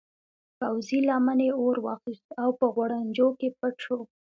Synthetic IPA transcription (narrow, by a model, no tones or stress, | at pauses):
pawzilɑmaneoɾwɑ̰xist̪awpəɣwaɽand͡ʒokep̚əʈʈ͡ʂo